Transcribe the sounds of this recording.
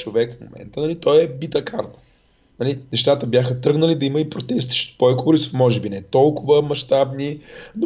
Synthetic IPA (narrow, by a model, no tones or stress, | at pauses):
t͡ʃovɛkfmo̰mʔɛ̰nt̪ənɐlit̪ɔjɛbit̪əka̰ɾt̪ə̥ | nɐlinɛʃt̪at̪əbjaxət̪ɾɤɡnɐlid̪ɐiməipɾot̪ɛssə̥ʃt̪pojkʊvoɾisfmɔʒɛbinɛt̪ɔlˠkʊvəmɐʃt̪abnino